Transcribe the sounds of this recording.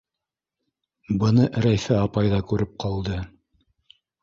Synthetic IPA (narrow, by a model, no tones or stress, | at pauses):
bɤ̆nɤʔɾæjθæɑpɑjðɑkʉɾɘp̚qʰɑlˠd̪ɤ